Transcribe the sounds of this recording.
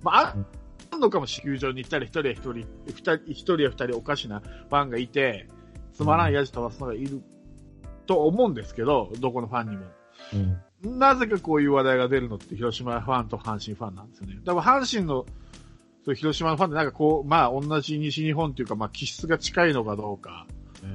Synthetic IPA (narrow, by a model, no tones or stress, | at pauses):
maa | anːo̞kamo̞ɕi̥kʲɨːʑo̞ːɲ̟it̪ːaɾʲiçi̥t̪o̞ɾʲijaçi̥t̪oɾʲiɸɯ̥t̪aɾʲiçʲi̥t̪o̞ɾʲiaɸɯ̟̥t̪aɾʲio̞kaɕinaɸãŋɡait̪e̞ | t͡sɨmaɾãɰ̃ijaʑi̥t̪oβasɨnoɡaiɾɯ̟ | t̪o̞ːmõ̞ɯ̃nd̪e̞sɨ̥ke̞d̪o̞d̪o̞ko̞no̞ɸãɲ̟ːimo̞ | naze̞kako̞ːjɯ̟ːβad̪aiɡad̪e̞ɾɯ̟no̞t̪ːeçʲiɾo̞ɕimaɸãnt̪o̞hãɰ̃ɕĩɰ̃ɸãnːã̰nd̪e̞sɨjoned̪amaɦãɰ̃ɕĩnːo̞ | sojɯ̟çiɾo̞ɕimano̞ɸãnt̪eãŋkako̞ːmaːõ̞nːaʑiɲ̟iɕiɲ̟iɦõnt̪e̞jɯ̟kamaːkʲʰiɕi̥t͡sɨɡat͡ɕi̥kaino̞kad̪o̞ːka̰